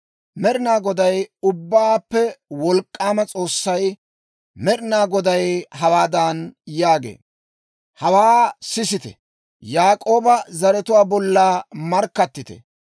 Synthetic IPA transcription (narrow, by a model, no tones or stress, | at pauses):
mɛɾɪnaːɡɔd̪ɐjʊbːaːpːɛwɔlkʼːaːmɐt͡sʼo̞ːsːɐj | mɛɾɪnaːɡɔd̪ɐjɦɐwaːd̪anjaːɡḛː | hɐwaːsɪsɪt̪ɛ̰ | jaːkʼo̞ːbɐzɐɾɛt̪ʊwaːbɔlːaːmɐɾkːɐt̪ːɪt̪ɛ̰